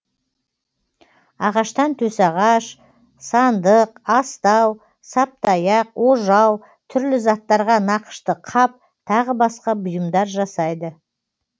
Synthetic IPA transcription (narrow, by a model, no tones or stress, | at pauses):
ɑʁɑʃt̪ɑnt̪ʰɵsɑʁɑʃ | sɑnd̪əqɑst̪ɑw | sɑp̚t̪ɑjɑqwoʒɑw | t̪ʰʏɾlɪzɑt̪ːɑɾʁɑnɑqə̥ʃt̪əqʰɑp̚ | t̪ʰɑʁəbɑsqɑbʊjəmd̪ɑɾʒɑsɑjd̪ə